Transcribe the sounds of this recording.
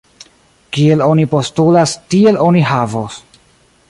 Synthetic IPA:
kie̞lo̞nipo̞stulastie̞lo̞niɦavos

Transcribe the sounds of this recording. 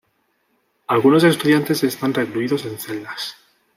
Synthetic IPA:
alɣuno̞se̞st̪uðjant̪e̞se̞st̪anrekluiðo̞se̞nθe̞ld̪as

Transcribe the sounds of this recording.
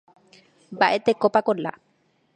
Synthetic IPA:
baʔet̪ekɔpakɔlla̰

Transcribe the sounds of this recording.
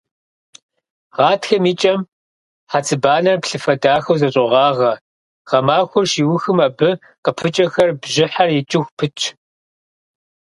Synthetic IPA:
ʁɑːtxɐmiːt͡ʃʼɐm | ħat͡sʰʼɨbaːnɐrpɬɨfɐdaːxɐwzɐɕʼɪʁɑːʁɐ | ʁ̥ɐmaːxʷʊrʃiːwʊxɨmɐbɨ | qəpʰɨt͡ʃʼɐxɐrbʒɪħarjɪt͡ʃʼɪxʷpʰɨt͡ʃʰ

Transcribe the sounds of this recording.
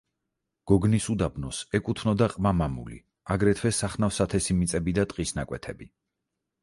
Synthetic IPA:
ɡ̥ɔɡnisud̪abnɔsɛkʼut̪ʰnɔd̪aqʼmamamṵlḭ | aɡɾɛt̪ʰwɛsaχnafsat̪ʰɛsimit̪sʼɛbid̪at̪ʼqʼisnakʼwɛt̪ʰɛbi

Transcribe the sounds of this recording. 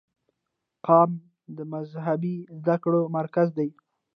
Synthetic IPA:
qɑm | d̪əmazɦabizd̪akɽomaɾkazd̪aj

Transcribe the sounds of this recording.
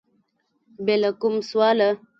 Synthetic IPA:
bɛləkumswalə

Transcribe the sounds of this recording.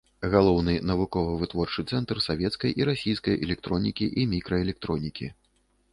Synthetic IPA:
ɣalˠɔwnɨnɐvukɔvɨvɨt̪vɔrt͡ʂɨt̪sɛnt̪rsavʲɛt̪skɐjʔiɾasʲijskɐjɛlʲɛk̚t̪ɾɔnʲikʲiʔimʲikɾɐɛlʲɛk̚t̪ɾɔnʲikʲḭ

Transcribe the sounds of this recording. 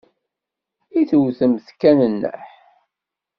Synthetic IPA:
iθəwθəmθkːænənːə̰ħ

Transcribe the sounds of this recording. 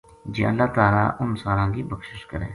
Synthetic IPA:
d͡ʒḛːəlːaːt̪aːla̰ːʔʊnsaːɾãːkiːbəkʃɪʃkəɾḛ̃ː

